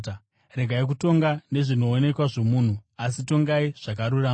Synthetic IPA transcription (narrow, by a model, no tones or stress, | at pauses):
ɾe̞ɡʱaik̬uto̞ŋɡane̞ʐino̞ːne̞kwaʐo̞muːn̤uasito̞ŋɡaiʐ̥akaɾuraː